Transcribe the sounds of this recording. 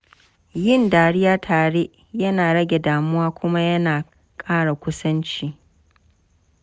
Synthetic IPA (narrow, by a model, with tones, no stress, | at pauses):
jɪ˦˨ndaː˨ɽɪ˦jaː˦tʰaː˨ɽeː˦ | jɐ˦naː˨ɽɐ˦ɡʲe˨daː˨mʊ˦waː˦kʷʊ˦ma˦jɐ˦naː˨ | kʼaː˦ɽa˨kʷʊ˦sɐ˦nt͡ʃiː˦